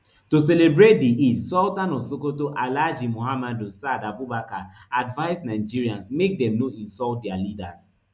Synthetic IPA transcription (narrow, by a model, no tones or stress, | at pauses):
toselebɹet̚diidsɔtãnɔsokotoʔalad͡ʒimohamadosadabubakaadvaɪsnaɪd͡ʒiɹiãnsmek̚dɛ̃mnoĩnsɔltdɛalidas